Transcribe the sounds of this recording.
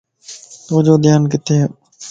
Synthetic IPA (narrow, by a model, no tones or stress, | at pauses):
t̪oːd͡ʒoːd̪ɪjaːnkɪt̪ʰeː